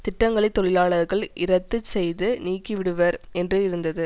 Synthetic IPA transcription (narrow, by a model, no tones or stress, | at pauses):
t̪ɪʈːɐŋɡɐɭɐɪt̪ːɔɭɪlaːɭɐɾɣɐɭʔɪɾɐt̪ːɯsɛjðɯniːkːɪʋɪɽɯʋɐɾɛndrɯɪɾɯnd̪ɐðɯ